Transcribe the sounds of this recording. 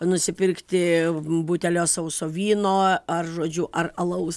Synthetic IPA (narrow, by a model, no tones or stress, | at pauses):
nʊsʲɪpʲɪrkt̪ʲɪbuːt̪ʲɛlʲoːsɐʊsoːʋʲiːnoːɐrʒoːd͡ʒʲʊʔɐrɐlˠɐʊs